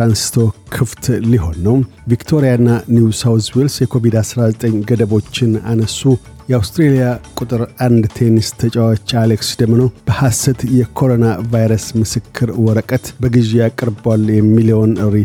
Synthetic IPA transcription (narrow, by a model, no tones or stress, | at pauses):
ɾansi̥t̪ʰo̞kʰɨft̪ʰliɦo̞nːəw | vikt̪ʰo̞ɾijanːaniusawswelsjɛkʰo̞vid̪asɾazət̪ʼəɲɡəd̪əβo̞t͡ʃːɪnanəsːu | jɛawst̪ɾelijakʼut̪ʼɨɾand̪t̪ʰenist̪ʰət͡ʃʼawat͡ʃːaleksd̪əmːənəwb̥əhasɨt̪jɛkʰo̞ɾo̞navajɾəsmɨsɨkʰːɨɾwɔɾəkʼət̪bəɡɨʒejakʼɨɾbwaljɛmːilio̞nɨɾi